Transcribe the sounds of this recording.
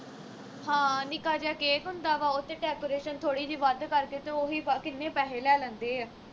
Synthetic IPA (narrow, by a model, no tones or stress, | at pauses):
hãːnɪkaːd͡ʒɛːkeːkɦʊnd̪aːʋaːʊt̪ːeːʈɛːkoːɾeːʃənt̪ʰoːɽiːd͡ʒiːʋəd̪kəɾkeːt̪eoːɦiːpakɪnːẽːpɛːɦeːlɛːlɛ̃ːnd̪eː